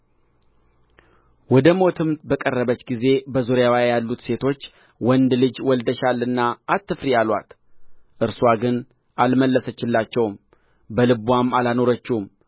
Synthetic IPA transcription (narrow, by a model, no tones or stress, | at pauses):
wɔd̪əmo̞t̪ʰɨmt̪bəkʼərːəβət͡ʃːɡize̞bəzuɾjawajalːut̪se̞t̪ʰo̞t͡ʃː | wɔnd̪lɨd͡ʒwɔld̪əʃalɨnːaʔːt̪ːɨfɾijalwa̰t̪ | ʔɨɾswaɡɨn | ʔalməlːəsət͡ʃːɪlːat͡ʃːɛwm | bəlɨβwamːalano̞ɾət͡ʃːum